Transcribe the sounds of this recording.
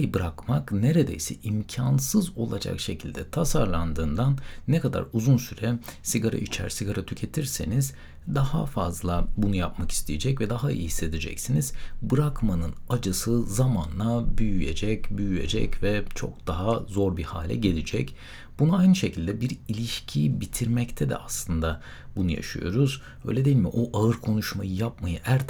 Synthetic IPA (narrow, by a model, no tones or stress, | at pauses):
jbɯɾakmakne̞ɾe̞d̪ḛjsɛ̰ʔimcʰansɯzo̞lˠad͡ʒa̰kʃe̞cʰilʲd̪ɛt̪ʰasaɾlˠand̪ɯːnd̪anːɛkad̪a̰ɾuzunsyɾɛsiɡaɾa̰ʔit͡ʃʰæ̰ɾsiɡaɾat̪ʰycʰe̞t̪ʰiɾseniz | d̪aha̰fa̰zlˠabunujap̚maki̥st̪ʰije̞d͡ʒɛcvɛd̪aɦajḭhisːe̞d̪id͡ʒɛ̰csiniz̥bɯɾakmanɯnad͡ʒɯsɯzamanlˠabyjyjḛd͡ʒɛcbyjyje̞̰d͡ʒɛ̰cvɛt͡ʃʰo̞̰k̚d̪̥aɦazo̞ɾbiɾha̰ːlʲɛ̰ɟelʲid͡ʒɛc | b̥unuajnɯʃe̞cʰilʲd̪ɛbiɾilʲiʃcʰibit̪ʰiɾmɛct̪ʰɛd̪ɛ̰aslˠɯnd̪a | bunuja̰ʃɯjo̞̰ɾuz | ø̞̰jlʲed̪e̞jilʲmiʔoʔaɯɾkʰo̞nuʃmajɯjap̚majɯʔæɾt̪